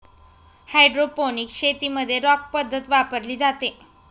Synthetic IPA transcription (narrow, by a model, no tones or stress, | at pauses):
hajɖɾoponikɕet̪iːməd̪ʱːjeɾɔk̚pəd̪ʱːət̪ʋapəɾliːd͡zat̪e